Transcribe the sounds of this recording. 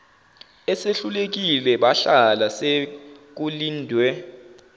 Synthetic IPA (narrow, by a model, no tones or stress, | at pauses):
ɛseɬulek̬ilɛɓaɬalasek̬uliːndʱwɛ